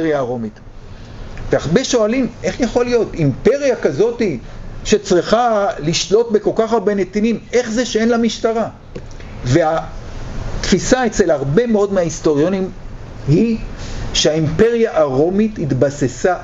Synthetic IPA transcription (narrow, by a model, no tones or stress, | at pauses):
jaːʁo̞mit | veaχbeʃo̞alimʔe̞χjaχo̞lijo̞timpe̞ʁjakazo̞tiʃe̞t͡sʁiχaliʃlo̞tbe̞ko̞lkaχabenet̪inime̞χzeʃeenlamiʃtaʁa | vea | t̪fisae̞t͡se̞laʁbe̞meo̞dmeaisto̞ʁjo̞nim | hi | ʃeaimpe̞ʁjaʔaʁo̞mithitbasesa